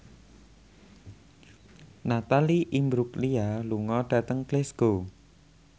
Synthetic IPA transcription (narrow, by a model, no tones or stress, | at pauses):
nat̪aliʔimbɾuklialuŋɔɖ̥ä̤t̪əŋklesɡ̥o